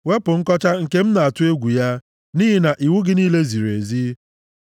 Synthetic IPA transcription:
we˦pʊ˨ŋ̩˦kɔ˦t͡ʃa˦ŋ̩˨ke˦m̩˦na˨a˨tʊ˦e˦ɡʷu˨ja˦ | niː˦ɦi˦na˨ʔi˨wu˦ɡɪ˦niː˦le˦zi˨ɾḛ˨zi˦

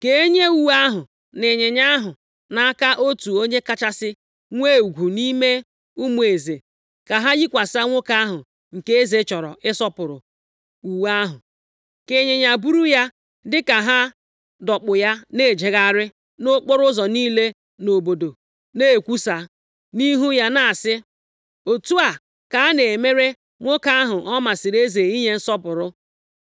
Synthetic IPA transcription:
ke˦ɲe˦u˨wa˦ɦʊ˨ | nɪ˨ɲe˨ɲa˦ɦʊ˨ | na˦a˦ka˦ʔo˦tu˨o˦ɲe˦ka˦t͡ʃa˦sɪ˦ | ŋʷe˦˨u˨ɡʷu˨ni˦me˦ | u˦mu˨e˨ze˨ | ka˨ɦa˦ji˦kʷa˨sa˦ŋʷʊ˦ka˦a˦ɦʊ˨ | ŋ̩˨ke˦e˦ze˨˦t͡ʃɔ˨ɾɔ̰˨ʔɪ˦sɔ˦pʊ˨ɾʊ̰˨ | u˨wa˦ɦʊ˨ | ke˨ɲe˨ɲa˨bu˦ɾu˦ja˦ | dɪ˦ka˨ɦa˦ | dɔ˨k͡pʊ˨ja˦ne˦˨d͡ʒe˨ɣa˦ɾɪ˦ | no˦k͡pɔ˦ɾʊ˦zɔ˨niː˦le˦ | no˨bo˨do˨ | ne˦˨kʷu˦sa˨ | ni˦ɦu˦ja˦na˦a˨sɪ˦ | o˨tu˦a˨ | ka˨a˦ne˨me˦ɾe˦ | ŋʷʊ˦ka˦a˦ɦʊ˨ʔɔ˦ma˨sɪ˨ɾe˦ze˨i˦ɲe˦n̩˦sɔ˦pʊ˨ɾʊ˦

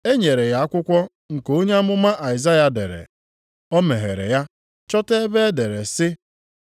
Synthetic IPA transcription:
e˦ɲe˨ɾe˨ja˨a˦kʷʊ˦kʷɔ˦ | ŋ̩˨ko˦ɲe˦a˦mʊ˦ma˦ʔa˨ɪ˨za˦ja˨dḛ˨ɾḛ˨ | ɔ˦me˨ɦḛ˨ɾḛ˨ja˦ | t͡ʃɔ˦te˦be˦e˦de˨ɾe˨sɪ˦

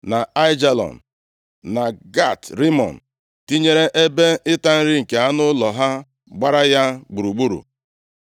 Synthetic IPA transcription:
na˨a˦jd͡ʒa˦lɔ̰˨n̩˨ | na˨ɡa˦˨tɾi˦mɔ̰˨n̩˨ | ti˦ɲe˦ɾe˦ʔe˦be˦ɪ˦ta˦n̩˦ɾɪ˦ŋ̩˨ke˨a˦nʊ˦lɔ˨ɦa˦ | ɡ͡ba˦ɾa˦ja˦ɡ͡bu˨ɾu˨ɡ͡bu˦ɾṵ˨

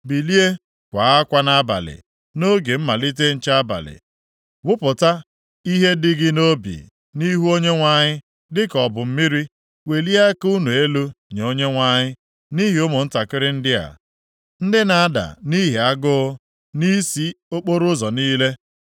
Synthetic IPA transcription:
bi˨li˦e˦ | kʷa˨˦a˦kʷa˦na˦ba̰˨lɪ̰˨ | no˦ɡe˨m̩˦ma˨li˦t̬e˦n̩˨t͡ʃa˦a˦ba̰˨lɪ̰˨ | wʊ˦pʊ˨ta˦ | i˦ɦe˦dɪ˦ɡɪ˦no˦bḭ˨ | ni˦ɦu˦o˦ɲe˦ŋʷa˦ɲɪ˦ | dɪ˦kɔ˨bʊ˨m̩˦mi˦ɾi˦ | we˨li˦a˦ku˦nu˨e˦lo˦ɲe˨o˦ɲe˦ŋʷa˦ɲɪ˦ | ni˦ɦi˨o˦mo˨n̩˦ta˨kɪ˦ɾɪ˦n̩˦dɪ˦a̰˨ | n̩˦dɪ˦na˨a˦da̰˨ni˦ɦi˨a˦ɡʊ˦ | ni˦si˦o˦k͡po˦ɾʊ˦zɔ˨niː˦le˦

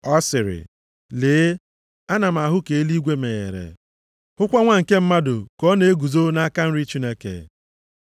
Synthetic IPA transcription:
ɔ˦sɪ˨ɾɪ̰˨ | leː˨˦ | a˦na˨m̩˨a˨ɦʊ˦ke˨e˦li˦ɡʷe˦me˨ɣḛ˨ɾḛ˨ | hʊ˦kʷa˦ŋʷa˦ŋ̩˨ke˦m̩˦ma˦dʊ˨kɔ˦ne˨˦e˦ɡu˨zo˦na˦ka˦n̩˦ɾi˦t͡ʃi˦ne˦kḛ˨

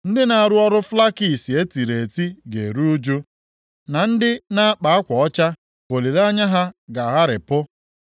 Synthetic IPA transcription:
n̩˦dɪ˦na˨a˨ɾʊ˦ɔ˦ɾʊ˦fla˦ki˨si˨e˦ti˨ɾe˨ti˦ɡḛ˨ɾu˦u˦d͡ʒu˦ | na˨n̩˦dɪ˦na˦a˦k͡pa˨a˦kʷɔ˨ɔ˦t͡ʃa˦ | ko˨li˨ɾa˦ɲa˦ɦa˦ɡa˨ɦa˦ɾɪ˨pʊ˦

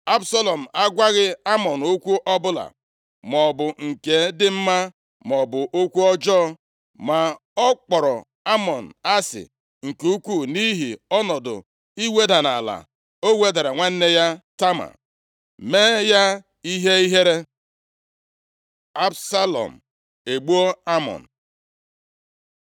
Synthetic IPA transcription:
a˦bsa˦lɔ˨m̩˨a˦ɡʷa˦ɣɪ˦a˦mɔ˨n˨o˦kʷu˦ʔɔ˦bʊ˦la̰˨ | mɔ˨bʊ˨ŋ̩˨ke˨dɪ˦m̩˦ma˦ | m˨ɔ˨bʊ˨ʔo˦kʷu˦ɔ˦d͡ʒɔː˦ | ma˨ | ɔ˦k͡pɔ˨ɾɔ˨ | a˦mɔ˨n̩˨a˦sɪ̰˨ | ŋ̩˨ku˦kʷu˦˨ni˦ɦi˨ɔ˦nɔ˨dʊ̰˨ | i˦we˦da˨na˨la̰˨ | o˦we˦da˨ɾa˨ŋʷe˦n̩˦ne˦ja˦ta˦ma̰˨ | meː˦ja˦ | i˦ɦe˦i˦ɦe˦ɾe˦ | a˦bsa˦lɔ̰˨m̩˨ | e˨ɡ͡bu˦o˦a˦mɔ̰˨n̩˨

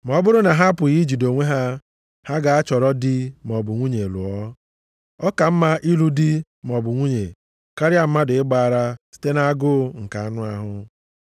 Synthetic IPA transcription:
m˨ɔ˦bʊ˦ɾʊ˦na˨ɦa˦pʊ˨ɣi˦d͡ʒi˨do˨ŋʷe˦ɦa˦ | ha˦ɡa˨a˦t͡ʃɔ˨ɾɔ˦dɪ˦m˨ɔ˨bʊ˨ŋʷu˦ɲe˨lʊ˨ɔ˦ | ɔ˦ka˨m̩˦ma˦ʔi˦lu˦di˦ | m˨ɔ˨bʊ˨ŋʷu˦ɲe˨ | ka˦ɾja˨m̩˦ma˦dʊ˨ɪ˦ɡ͡ba˨ɾa˦si̥˦te˦na˦a˦ɡʊ˦ŋ̩˨ka˨a˦nʊ˦a˦ɦʊ˦

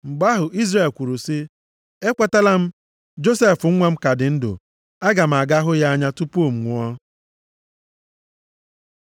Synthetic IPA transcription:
ŋ͡m̩˨ɡ͡ba˦ɦʊ˨ʔi˦zre˨lkʷu˨ɾu˨si˦ | e˦kʷa˦ta˦la˦m̩˦ | d͡ʒo˦se˦fʊ˨ŋ̩˦ŋʷa˦m̩˦ka˨dɪ˨n̩˦dʊ̰˨ | a˦ɡa˨m̩˨a˨ɡa˦ɦʊ˦ja˦a˦ɲa˦tu˦po˦˨m̩˨ŋʷu˨ɔ˦

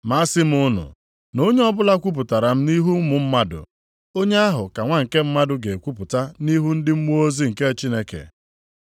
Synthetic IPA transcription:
ma˦sɪ˦m̩˦ʊ˦nʊ̰˨ | no˦ɲe˦ɔ˦bʊ˦la˦kʷu˦p̬ʊ˨ta˨ɾa˨m̩˦ni˦ɦu˦m̩˦mʊ˨m̩˦ma˦dʊ̰˨ | o˦ɲe˦a˦ɦʊ˨ka˨ŋʷa˦ŋ̩˨ke˦m̩˦ma˦dʊ˦ɡe˨kʷu˦pʊ˨ta˦ni˦ɦu˦n̩˦dɪ˦m̩˦mu˦o˦zi˦ŋ̩˨ke˦t͡ʃi˦ne˦kḛ˨

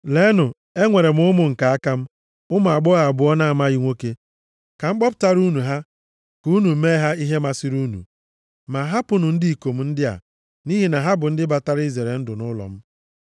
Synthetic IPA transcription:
le˦nʊ˨ | e˦ŋʷe˨ɾe˨m̩˦ʊ˦mʊ˨ŋ̩˨ka˨a˦ka˦m̩˦ | ʊ˦ma˨a˨ɡ͡bɔ˦a˨bʊ˨˦ɔ˦na˦˨ma˦ɣi˦ŋʷo˦ke˦ | ka˨ŋ͡m̩˦k͡pɔ˦p̬ʊ̥˦ta˦ɾu˦nu˨ɦa˦ | ku˦nu˨˦me˦ɦa˦i˦ɦe˦ma˨sɪ˦ɾu˦nṵ˨ | ma˨ɦa˦pʊ˦nʊ˨n̩˦di˦i˨ko˨m̩˦n̩˦dɪ˦a̰˨ | ni˦ɦi˨na˨ɦa˦bʊ˨n̩˦dɪ˦ba˨ta˦ɾi˦ze˨ɾe˨n̩˦dʊ˨nʊ˦lɔ̰˨m̩˦

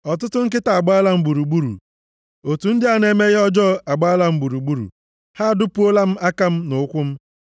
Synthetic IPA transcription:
ɔ˨tʊ˦tʊ˦ŋ̩˦k̬ɪ˦ta˨a˨ɡ͡ba˦la˦m̩˦ɡ͡bu˨ɾu˨ɡ͡bu˦ɾṵ˨ | o˨tu˨n̩˦dɪ˦a˦n˨e˦me˦ɣɪ˦ɔ˦d͡ʒɔ˦˨a˨ɡ͡ba˦a˦la˦m̩˦ɡ͡bu˨ɾu˨ɡ͡bu˦ɾṵ˨ | ha˦˨dʊ˦pu˦o˦la˦m̩˦a˦ka˦m̩˦nʊ˨˦kʷʊ˦m̩˦

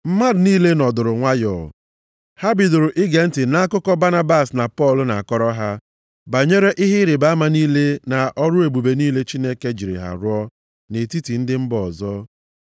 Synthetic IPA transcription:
m̩˦ma˦ɾniː˦le˦nɔ˨dʊ˨ɾʊ˨ŋʷa˦jɔ˨ | ha˦bɪ˨dʊ˨ɾʊ˨ʔɪ˦ɡe˨n̩˦tɪ˨na˦a˦kʊ˦kɔ˦ba˦na˦ba˦˨sna˨pɔ˦˨lʊ˨na˨a˨kɔ˦ɾɔ˦ɦa˦ | ba˨ɲe˦ɾe˦ʔi˦ɦɪ˦ɾe˨ba˨˦a˦ma˨niː˦le˦na˨ʔɔ˦ɾʊ˦e˨bu˨be˨niː˦le˦t͡ʃi˦ne˦ke˦d͡ʒi˨ɾɪ̰˨ɦa̰˨ɾʊ˦ɔ˦ | ne˨ti˦ti˨n̩˦dɪ˦m̩˦bɔ˨zɔ˦

